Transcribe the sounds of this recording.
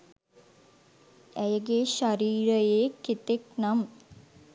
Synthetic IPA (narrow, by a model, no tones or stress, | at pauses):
æjəɡeʃaɾiːɾəjeket̪ek̚nam